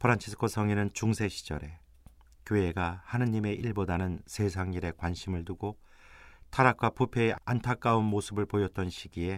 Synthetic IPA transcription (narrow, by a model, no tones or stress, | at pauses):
pʰɯɾant͡ɕʰisʰɯ̥kʰosʰʌŋinɯnt͡ɕuŋsʰe̞ɕʰi̥d͡ʑʌ̰ɾe̞ | kjoe̞ɡahanɯɲime̞ʔiɭbodanɯnse̞s̬ʰaŋɲiɾe̞kwanɕʰimɯɭtuɡo | tʰaɾakʰwapupʰe̞eantʰak͈aunmosʰɯbɯɭpojʌt̚t͈ʌnɕʰiɡie̞